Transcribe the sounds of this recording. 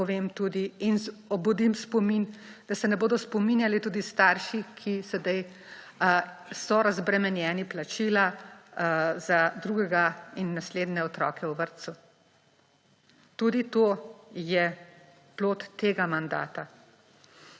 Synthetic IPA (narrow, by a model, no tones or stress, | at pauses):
ɔʋeːmt̪uːd̪iːnɔbud̪imspɔmind̪̥asɛnɛboːd̪ɔspɔminjalit̪uːd̪ist̪aːɾʃikʰisɛd̪aj | sɔɾazbɾɛmɛnjɛːniplat͡ʃila | zad̪ɾuːɡɛɡainːasleːd̪nɛɔt̪ɾɔːkʰɛwʋəɾt̪su | t̪uːd̪it̪oːjɛ | ploːt̪ːeːɡamand̪a̰ːt̪a